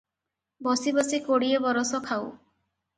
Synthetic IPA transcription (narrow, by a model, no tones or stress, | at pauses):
bɔsibɔsikoɽiebɔɾɔsɔkʰaw